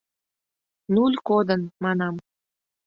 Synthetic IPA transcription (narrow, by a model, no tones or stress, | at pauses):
nulʲkod̪ə̆nmɑnɑm